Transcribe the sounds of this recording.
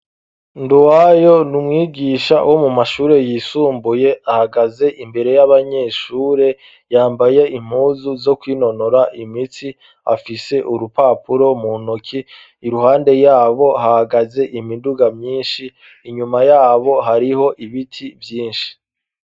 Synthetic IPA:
nduwajo̞numŋiːɡiʃa̰wʔo̞mumaʃuːɾe̞jiːsuːmbuje̞ahaɡaze̞ʔimbe̞ɾe̞jaβaɲe̞ʃuːɾe̞ | jaːmbaje̞im̥huːzuzo̞kwiːno̞noɾaʔimit͡si | a̰fise̞ʔuɾupapuɾo̞munokʰiː | ɾuhaːnde̞jaːβo̞ɦahaɡaze̞ʔimiduɡamɲiːnʃiː | ɲumajaːβo̞ɦaɾiho̞ʔiβitʰivjiːnʃi̥

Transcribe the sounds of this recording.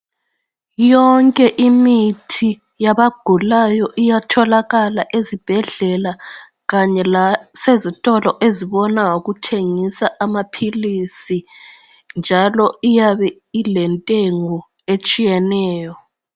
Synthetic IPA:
jɔŋkʼɛʔimitʰi | jaβaɡ̥ʱulajɔʔijatʰɔlaɣalaʔezib̥ʱɛɮɛla | ɣaɲɛlasezitʼɔlɔʔeziβɔnaoɣutʰeŋisaʔamapʰilisi | nd͡ʒʱalɔijaβɛ | ilɛntʼeŋɔ | et͡ʃʼijɛnɛːjɔ

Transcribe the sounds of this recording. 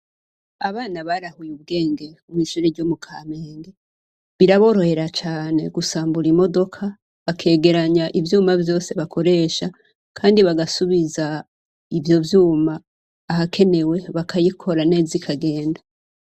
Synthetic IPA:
aβaːnaβaɾahujuβb̚ɡe̞ːŋɡe̞umiːʃuɾeɟomukʰameːŋɡe | βiɾaβo̞ɾo̞he̞ɾat͡ʃaːne̞ɡusaːmbuɾimo̞do̞kʰa | βakʰe̞ːɡe̞ɾaɲaʔivjuːmavjo̞ːse̞βakʰo̞ɾe̞ːʃa | kʰaːndiβaɡasuβiza | ivjo̞vjuːmaː | ɦakʰe̞ne̞we̞βakʰajikʰo̞ɾaneːzikʰaɡe̞ːnda

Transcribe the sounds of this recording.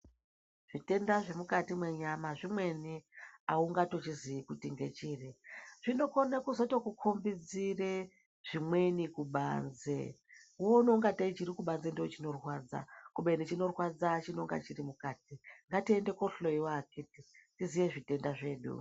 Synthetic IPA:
ʐ̥ite̞ndaʐe̞mukatimwe̞ɲamaʐimwe̞niauŋɡato̞t͡ʃiziikutiŋɡe̞t͡ʃiːriʐ̥ino̞konakuzotokukʰombid͡zire | ʐ̥imwe̞nikuɓa̰nzḛ | wono̞ŋɡatait͡ʃiɾikuɓanzendoot͡ʃino̞rwaːd͡za̰kuɓe̞nit͡ʃino̞rwad͡zat͡ʃinoŋɡa̰t͡ʃirimukaːtiŋɡatie̞nde̞koɬoiwakititizijeʐite̞ndaʐe̞ːɗṵ

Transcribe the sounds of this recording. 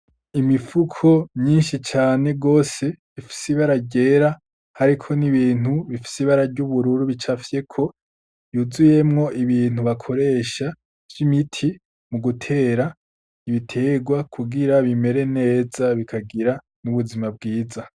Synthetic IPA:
imifukʰo̞mɲiːnʃit͡ʃaːne̞ɡo̞ːse̞ | ifi̥siβaɾaɟe̞ːɾa | haɾikʰo̞niβiːn̥huβifi̥siβaɾaɾɟuβuɾuɾuβit͡ʃafje̞kʰo̞ | juzuje̞mŋo̞ʔiβiːn̥huβakʰo̞ɾe̞ːʃa | d͡ʒimitʰi | muɡutʰe̞ːɾa | iβitʰe̞ːɡwakʰuɡiɾaβime̞ɾe̞ne̞ːzaβikʰaɡiɾa | nuβuzimab̚ɡiːza

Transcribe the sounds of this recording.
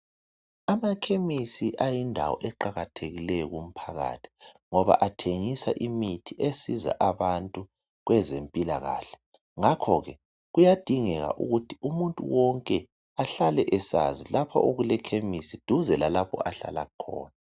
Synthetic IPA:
amakʰemisiʔajindʱa̰wɔ̰ʔɛǃaɣatʰeɣilɛjɔɣum̩pʰaɣa̰tʰi̥ | ŋɔβa̰ʔatʰeŋisa̰ʔimitʰiʔesiza̰ʔaβantʼu | ɣwɛzempʼila̰ɣa̰ːɬɛ̥ | ŋakʰɔɣɛ | ɣujad̥ʱiŋɛɣa̰ʔuɣutʰiʔumuntʼṵwɔŋkʼɛ | aɬalɛʔɛsa̰zilapʰɔ̰ʔoɣulɛkʰemisid̥ʱuzɛlalapʰɔ̰aɬa̰la̰ɣukʰɔ̰ːna

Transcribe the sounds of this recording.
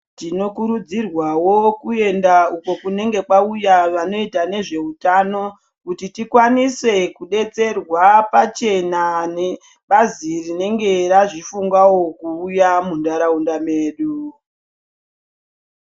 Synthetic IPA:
tino̞kuɾud͡zirwawo̞kue̞ndauko̞kune̞ŋɡe̞kwaujaʋano̞itane̞ʐe̞utano̞ | kutitikwanise̞kuɗe̞t͡se̞rwapat͡ʃe̞nane | ɓazirine̞ŋɡe̞ɾaʐifuŋɡwawo̞kuːjamundaɾaundameːɗu

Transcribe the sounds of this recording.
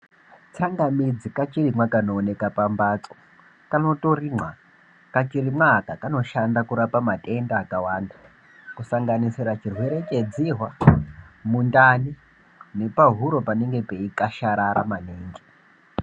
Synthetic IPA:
t͡saŋɡamid͡zikat͡ʃirimwakanoːne̞kapambat͡so̥ | kano̞toriŋ͡ǀwa | kat͡ʃiɾimwaːkakano̞ʃandakuɾapamatʼe̞ndaːkawaːnda | kusaŋɡanisiɾat͡ʃirweɾet͡ʃed͡ziɦwa | mundani | ne̞paɦuɾo̞pane̞ŋɡe̞pe̞ikaʃaɾaɾamaneːŋɡe

